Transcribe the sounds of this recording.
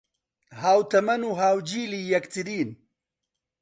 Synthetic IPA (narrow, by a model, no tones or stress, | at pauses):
haːwt̪ʰɐmɐnuːɦaːwd͡ʒiːliːjɐkt̪ʰɨɾiːn